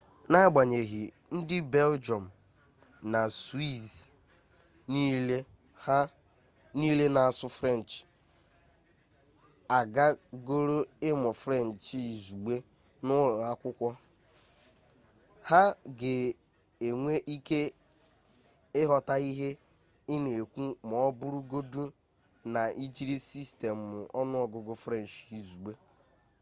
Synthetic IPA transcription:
na˦ɡ͡ba˨ɲe˨ɦi˨ | n̩˦dɪ˦be˦ld͡ʒɔ˨m̩˨ | na˨swi˦z | niː˦le˦ | ha˦ | niː˦le˦na˨a˨sʊ˦fɾe˦˨n̩˨t͡ʃ | a˨ɡa˦ɡo˦ɾo˦ɪ˦mɔ˨fɾe˦˨n̩˨t͡ʃzu˨ɡ͡be˦ | nʊ˦ɾʊ˨a˦kʷʊ˦kʷɔ˦ | ha˦ɡe˨ | e˨ŋʷe˦ʔi˦ke˦ | ɪ˦ɦɔ˨ta˦i˦ɦe˦ | ɪ˦ne˨e˨kʷu˦mɔ˨˦bʊ˦ɾʊ˦ɡo˦du˦ | na˨i˦d͡ʒi˦ɾi˦si˦ste˨m˨ʊ˨ʔɔ˦nʊ˦ɔ˨ɡʊ˨ɡʊ˦fɾe˦˨n̩˨t͡ʃi˨zu˨ɡ͡be˦

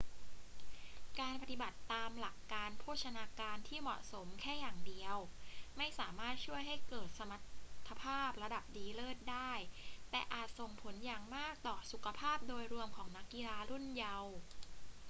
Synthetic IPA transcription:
kaː˧npa˧t̪i˨˩ba˨˩t̪ːaː˧mla˨˩kːaː˧npʰuː˥˩t̚t͡ɕʰa˧naː˧kaː˧nt̪ʰiː˥˩mɔ̰˨˩ʔso˩˦mkʰɛː˥˩jaː˨˩ŋdi˧əwma˥˩jsaː˩˦maː˥˩t̪̚t͡ɕʰu˥˩əjɦa˥˩jkɤː˨˩t̪̚sa˧ma˨˦t̪ʰːa˧pʰaː˥˩p̚ɾa˧da˨˩p̚diː˧lɤː˥˩t̪̚daː˥˩jt̪ɛː˨˩ʔaː˨˩t̪̚so˨˩ŋpʰo˩˦njaː˨˩ŋmaː˥˩k̚t̪ɔː˨˩su˨˩kʰa˧pʰaː˥˩p̚doː˧jɾu˧əmkʰɔː˩˦ŋna˦˥kːi˧laː˧ɾu˥˩nja˧w

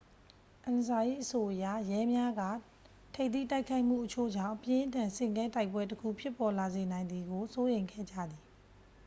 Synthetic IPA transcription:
ʔã˨nza˨ʔḭ˦˨ʔəso˨ʔəja˦˨jɛ˦mja˦ɡa̰˦˨ | tʰe˦ɪt̪ḭ˦˨ta˦ɪkʰa˦ɪʔm̥ṵ˦˨ʔət͡ɕʰo̰˦˨d͡ʑã̰˦˨ʔəpjɪ̃˦ʔəntʰã˨nsɪ̃˦˨ŋkɛ̃˦nta˦ɪpwɛ˦təkʰṵ˦˨pʰjɪ˦pːɔ˨la˨ze˨nã˨ɪ̃nd̪ði˨ɡo˨so˦jẽ˨ɪ̃ŋɡʰɛ̰˦˨d͡ʑä̰˦˨d̪ði˨

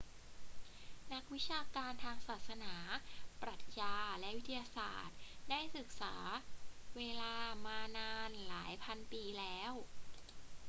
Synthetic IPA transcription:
na˦˥k̚wi˦˥t͡ɕʰaː˧kaː˧nt̪ʰaː˧ŋsaː˨˩t̪̚sa˧naː˩˦pɾa˨˩t̪̚jaː˧lɛ˦˥ʔwi˦˥t̪ʰa˧jaː˧sa̰ː˨˩t̪̚daː˥˩jsɯ˨˩k̚sa̰ː˩˦weː˧laː˧maː˧naː˧nlaː˩˦jpʰa˧npiː˧lɛː˦˥w

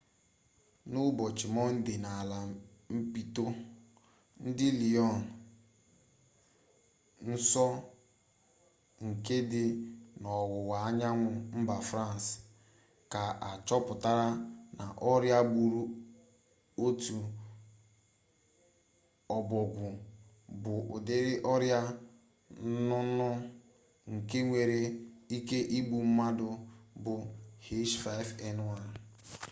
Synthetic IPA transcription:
nʊ˦bɔ˨t͡ʃɪ˨mɔ˦n̩˦dɪ˨na˨la˨m̩˦pi˦to˦ | n̩˦dɪ˦li˨ɔ˦˨n˨ | n̩˦sɔ˦ | ŋ̩˨ke˦dɪ˦nɔ˨wʊ˨wa˨a˦ɲa˦ŋʷʊ˨m̩˦ba˨fɾa˦˨n˨s | ka˨a˨t͡ʃɔ˦pʊ˨ta˦ɾa˦na˨ʔɔ˦ɾja˦bu˨ɾu˦ | o˦tu˨ | ɔ˨bɔ˨ɡʷʊ˨ | bʊ˨ʔʊ˨dɪ˦ɾɪ˦ʔɔ˦ɾja˦ | nʊ˦nʊ˦ | ŋ̩˨ke˦ŋʷe˨ɾe˦i˦ke˦ʔi˦ɡ͡bu˨m̩˦ma˦dʊ˨bʊ˨he˦ʃfa˦ɪ˦fe˦n˦wa˨ɾ

